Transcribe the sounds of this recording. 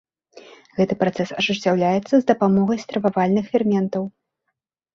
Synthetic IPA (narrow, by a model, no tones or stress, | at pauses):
ɣɛt̪ɨpɾat̪sɛsɐʐɨsʲt͡sʲːawlʲajɛt̪sːɐzd̪ɐpamɔɣɐjst̪ɾɐvavalʲnɨxfʲɛrmʲɛnt̪ɐw